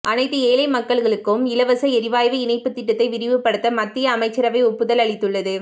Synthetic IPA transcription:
ʔɐnɐɪt̪ːɯeːlɐɪmɐkːɐɭɣɐɭɯkːɯmɪlɐʋɐsɐɛɾɪʋaːjʋɐɪnɐɪpːɯt̪ːɪʈːɐt̪ːɐɪʋɪɾɪʋɯpːɐɽɯt̪ːɐmɐt̪ːɪjɐːmɐɪt͡ʃːɐɾɐʋɐɪɔpːɯðɐlɐɭɪt̪ːɯɭːɐðɯ

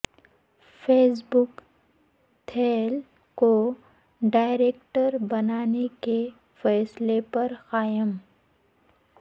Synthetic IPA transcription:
fɛːsbʊk | t̪ʰeːl | ko | ɖaːɪɾeːkʈəɾbɐnaːneke | fɛːslepɐɾxaːjəm

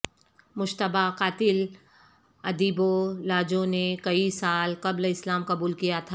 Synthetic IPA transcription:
mʊʃt̪əbaqaːt̪ɪl | ɐd̪iːbolaːd͡ʒõnekɐisaːlqɐblɪslaːmqɐbuːlkijat̪ʰa

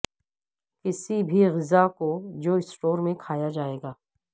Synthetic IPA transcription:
kɪsibʱiɣɪzakod͡ʒoːɪsʈoːɾmẽkʰaːjad͡ʒaːeːɡaː

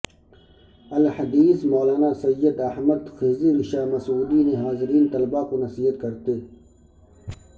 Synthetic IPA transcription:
ɐlhɐd̪iːsmoːlaːnasɐjːəd̪ɐhmɐd̪xɪzinɪʃaːmɐsuːd̪ineɦaːzɪɾiːnt̪ɐlbakonɐsiːɦət̪̚kɐɾt̪eː

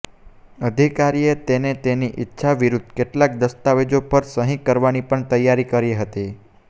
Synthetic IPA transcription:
əd̪ʱikaɾiet̪enet̪eniʔɪtːʃʰaʋiɾud̪ʱkeʈlak̚d̪əst̪aʋed͡ʒopəɾsəɦĩkːəɾʋanipəɳt̪əjːaɾikəɾeɦət̪i

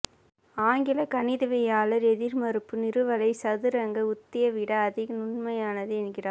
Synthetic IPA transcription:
aːŋɡɪlɐkɐnɪðɐʋɐjaːlɐɾɛðɪɾmɐɾɯpːɯnɪɾɯʋɐlɐɪsɐðɯɾɐŋɡɐʊt̪ːɪjɐʋɪɽɐːðɪɣɐnʊɳmɐjaːnɐðɯɛnɡɪraː

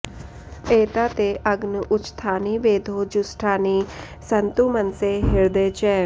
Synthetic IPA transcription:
eːt̪aːt̪eːʔɐɡnəʔʊt͡ʃt̪ʰaːniːʋeːd̪ʱoːd͡ʒʊsʈʰaːniː | sɐnt̪umənseɦɪɾd̪eːt͡ʃɛː

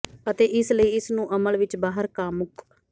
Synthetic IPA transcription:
ət̪eːʔɪsləiːɪsnũːʔəməlʋɪt͡ʃbaːɦəɾkaːmːʊk

